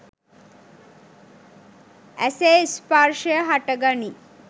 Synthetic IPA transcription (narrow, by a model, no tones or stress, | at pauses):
æsespaɾʃəjəɦaʈəɡani